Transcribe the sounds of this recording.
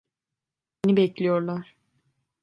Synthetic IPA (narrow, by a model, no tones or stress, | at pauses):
enibɛclʲijoɾlˠaɾ̥